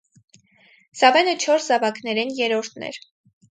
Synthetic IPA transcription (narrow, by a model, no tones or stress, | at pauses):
sɑvɛnət͡ʃʰɔɾszɑvɑknɛɾɛnjɛɾɔɾt̪ʰnɛ̰ɾ